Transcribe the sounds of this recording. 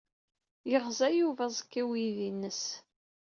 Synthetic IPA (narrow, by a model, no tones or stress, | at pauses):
jəʁzæjuvæzˤəkːiwiðinːəs